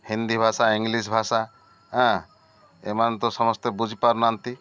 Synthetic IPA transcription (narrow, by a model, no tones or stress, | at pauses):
hĩnd̪ibʱasaiŋɡlis̬bʱasa | ɦã | emant̪ɔsɔmɔst̪ebud͡ʒʱipaɾnant̪i